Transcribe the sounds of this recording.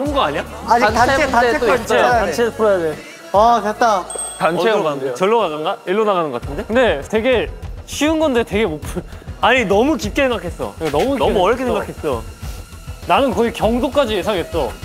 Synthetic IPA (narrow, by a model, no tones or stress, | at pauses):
ɯnɡʌaɲa | ad͡ʑiataetaeat͡ɕ͈eat͡ɕʰepuɾʌjade | aket͈a | tanʰeoat͡ɕʌɭːonaɡanɡaiɭːonaɣanɯnɡʌk͈atʰnde̞kɯnde̞te̞ɡe̞ɕʰiɯnɡʌndete̞ɡe̞mopʰɯnaɲinʌmut͡ɕip̚k͈esʰeŋɡakʰes͈ʌ̰anʌmuiʌemuʌɾʌkʰesʰŋɡakʰe̞s͈ʌ | nanɯnkʌikjʌŋdok͈ad͡ʑije̞sʰaŋɦe̞s͈ʌ